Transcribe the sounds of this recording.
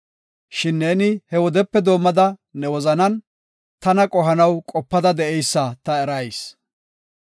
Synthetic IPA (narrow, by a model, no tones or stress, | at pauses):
ʃɪnːeːnɪhɛwɔd̪ɛpːɛd̪o̞ːmːɐd̪ɐnɛwɔzɐnɐn | t̪ɐnɐkʼɔɦɐnɐwkʼɔpːɐd̪ɐd̪ɛʔɛjsːɐt̪ɐɛɾɐjs